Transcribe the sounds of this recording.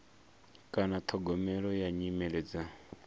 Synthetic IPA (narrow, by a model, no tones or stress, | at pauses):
kʼanat̪ʰɔɡɔmɛɺɔjaɲimɛlɛd͡za